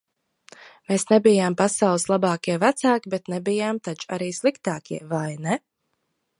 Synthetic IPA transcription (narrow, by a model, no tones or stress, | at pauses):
meːsnɛbijaːmpasawlˠɨslˠabaɑːkʲiɛvæt̪saːkʲibɛt̪nɛbijaːmt̪at͡ʃaɾiːslˠikt̪aːkʲiɛvajnɛ